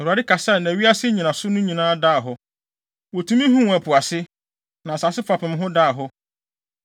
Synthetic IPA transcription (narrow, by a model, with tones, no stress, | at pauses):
ɛ˨wu˨a˨dɪ˦kʰa˨sɛ˦˨næ̃˨ɥi˦a˦sɪ˦ɲĩ˨nã˨sʊ˦nʊ̃˦ɲĩ˨nãː˦daː˦˨ɦʊ˦ | wɔ˨tʰũ˦mĩ˦ɦũ˦˨æ˨pʰʊ˨a˨sɪ˦ | nã˨sa˨sɪ˦fa˨pɪ̃˨m˦ɦʊ̃˦daː˦˨ɦʊ˦